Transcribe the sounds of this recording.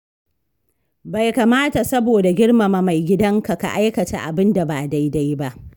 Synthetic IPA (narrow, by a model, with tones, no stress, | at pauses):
ba˨jka˨maː˦ta˨sɐ˦boː˨da˨ɡʲɪ˦ɽma˨ma˨ma˨jɡʲɪ˦dɐ˦ŋka˨ka̰˨ʔa˦jkɐ˨ta̰˨ʔa̰˨bɪ˦nda˨baː˨da˦jda˦jba˦ʔ